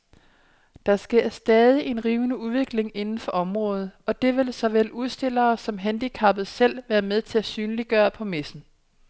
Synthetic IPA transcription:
d̥ɑ̈sɡ̥e̝ɐsd̥ɛːð̞ˠiʔe̝nʁiːʊnəuðˠʋe̝ɡ̥le̝ŋe̝nn̩fɒ̽ʔɒ̽mʁɔ̽ːð̩ˠɒ̽d̥e̝ʋe̝lsɒ̽ʋel̰uðˠsd̥e̝l̰ɐːsɒ̽mɦænd̥ikʰɑ̈b̥ð̩ˠsel̰ʋæːɐmeð̞ˠt͡sʰe̝læsyːnəliɡ̥ɶːɐpʰɒ̽mesn̩

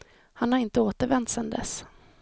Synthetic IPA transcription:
hanhaɾɪnt̪əoːt̪əɾvɛnt̪sɛnd̪ɛ̰s

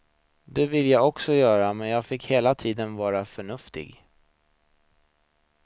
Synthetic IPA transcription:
d̪ɛvɪlːəjaɡɔksɔjœːɾamɛnjɑːɡfɪkheːlat̪ʰiːd̪ənvɑːɾafœɳɵft̪ɪ̰ɡ

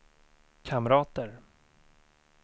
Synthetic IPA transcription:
kʰamɾɑːt̪əɾ

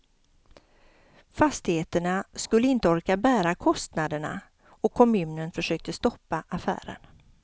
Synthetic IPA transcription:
fast̪ɪheːt̪əɳaskɵlːəɪnt̪əɔɾkabæːɾakʰɔst̪nad̪əɳa̰ | ɔkʰːɔmʉ̟ːnənfœʂøːk̚t̪əst̪ɔpːaʔafæ̰ːɾə̰n

